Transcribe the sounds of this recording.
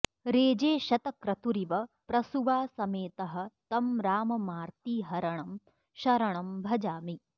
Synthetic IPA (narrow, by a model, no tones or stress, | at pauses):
ɾeːd͡ʒeːʃɐt̪ɐkɾɐt̪uɾiʋɐpɾɐsuʋaːsɐmeːt̪ɐɦɐ̆t̪ɐmɾaːmɐmaːɾt̪iːɦɐɾɐɳɐm | ʃɐɾɐɳɐmbʱɐd͡ʒaːmi